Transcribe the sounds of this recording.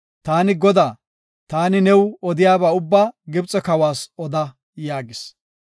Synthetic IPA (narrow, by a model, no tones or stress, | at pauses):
t̪aːnɪɡɔd̪aː | t̪aːnɪnɛwɔd̪ɪjaːbaːʊbːaːɡɪbt͡sʼɔkɐwaːsɔd̪ɐ | jaːɡɪs